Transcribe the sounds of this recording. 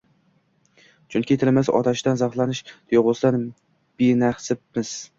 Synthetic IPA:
t͡ʃʰʊŋkʲit̪ʰɪlmasɒ̰t̪ʰaʃd̪anzɑχlˠanɪʃt̪ʰjoʁʊsd̪an | b̥inaχsɪpmɪz̥

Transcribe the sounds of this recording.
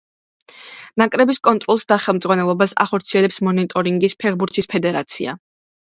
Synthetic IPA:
nakʼɾɛbiskʼɔnt̪ʼɾɔlˠsd̪aχɛlˠmd̪zʁwanɛlˠɔbasa̰χɔɾt̪sʰiɛlɛpsmɔnit̪ʼɔɾiŋɡispʰɛʁbuɾt̪ʰispʰɛd̪ɛɾat̪sʰḭa̰

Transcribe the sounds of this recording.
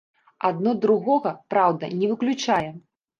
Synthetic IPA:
ad̪̚nɔd̪ɾuɣɔɣɐpɾawd̪ɐ̰nʲɛvɨklʲut͡ʂajɛ

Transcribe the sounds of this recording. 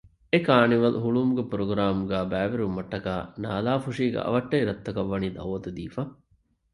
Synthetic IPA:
ekaːniʋɐlɦuɭumuɡepuɾoɡɾaːmuɡæːbæːʋeɾumːɐʈːɐkaːna̰ːlaːfuʂiːɡḛʔɐ̰ʋɐʈːɐiɾɐt̪ːɐkɐʋːɐniːd̪ɐ̰wɐt̪ud̪iːfa

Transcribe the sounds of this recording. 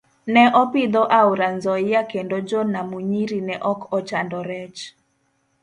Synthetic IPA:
nɛʔɔpɪd̪ɔʔauɾanzɔɪjakendod͡ʒɔnamuɲiɾinɛʔɔkɔt͡ʃandɔɾɛt͡ʃ

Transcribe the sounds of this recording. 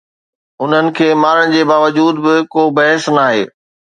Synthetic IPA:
ʊn̤ənɪ̆kʰeːmaːɾəɽ̃̆d͡ʑeːbaːʋəd͡ʑuːd̪bɪkoːbɐɦəsnaːɦḛː

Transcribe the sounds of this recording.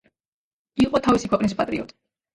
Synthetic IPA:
iqʼɔt̪ʰavisikʰwɛqʼnispʼat̪ʼɾiɔ̰t̪ʼi̥

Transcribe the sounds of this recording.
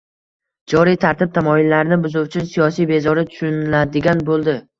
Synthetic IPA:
d͡ʒɒɾijt̪ʰaɾt̪ʰɪp̚t̪ʰamɒjɪlːaɾnɪbʊzʊwt͡ʃʰɪsijɒsijbe̞zɒɾɪt̪ʰʊ̥ʃʊnlad̪ɪɡʲanbolˠd̪ɪ

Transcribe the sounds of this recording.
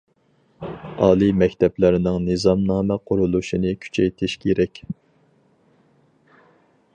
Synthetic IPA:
ɑːlˠɨmɛkʲt̪ʰɛplɪɾɪnɪŋnɨzɑmnɑːmɛqʰʊɾulˠuʃinɨkʲʰy̥t͡ʃʰɛjt̪ʰɪʃkʲʰeɾɛkʲ

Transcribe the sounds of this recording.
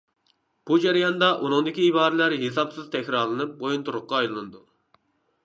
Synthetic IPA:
b̥ud͡ʒæɾijɑnd̪ɑʔunɨŋd̪ɪkʲiːbɑːɾɨlæɾɦesɑpsɨz̥t̪ʰɛkʲɾɑɾlˠɨnɨp̚bojunt̪ʰuɾʊqːɑːjllˠɨnɨd̪u

